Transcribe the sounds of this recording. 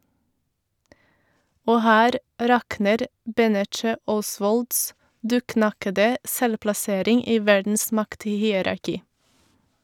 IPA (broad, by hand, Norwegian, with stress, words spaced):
ˈoː ˈhæːɾ ˈɾɑknəɾ ˈbɛnɛt͡ʃə ˈɔˌsʋɔlds ˈdʉːˌknɑkədə ˈsɛlplɑˌseːɾɪŋ ˈiː ˈʋæɾdn̩s ˈmɑkthiːəɾɑɾˌkiː